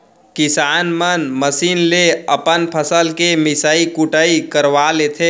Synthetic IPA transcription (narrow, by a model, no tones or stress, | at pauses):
kɪsaːnmənməsiːnleəpənpʰəsəlkemɪsaːikʊʈəikəɾʋaːleːt̪ʰe